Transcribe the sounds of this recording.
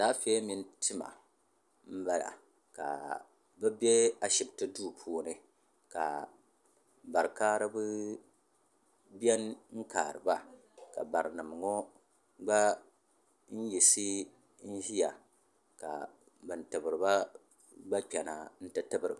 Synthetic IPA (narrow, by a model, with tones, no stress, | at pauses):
daː˦fɛ˦mi˦ntɨ˦ma̰˨ | m̩˦ba˦la̰˨ | ka̰˨ | bɨ˦bɛ˦a˨ʃɪ˨btɨ˦duː˦˨pʰuː˦nɨ˨ | ka˨ | ba˨ɾkaː˦ɾɨ˦bɨ˦ | bɛ˦nŋ̩˦kaː˨ɾɨ˨ba˦ | ka̰˨ba˨ɾɨ˨nɨ˨m˨ŋo˦ | ɡ͡ba˦ | n̩˦ji˨si˦ | n̩˦ʒi˦ja˨ | ka̰˨ | bɨ˨n̩˨tɨ˨bɨ˨ɾɨ˨ba˦ | ɡ͡ba˦k͡pɛ˨na˨n̩˦tɨ˦tɨ˦bɨ˦ɾɨ˨b